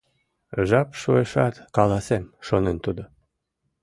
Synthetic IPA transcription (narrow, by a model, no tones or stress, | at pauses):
ʒɑpʃueʃɑt̪kɑlɑsemʃonent̪ud̪o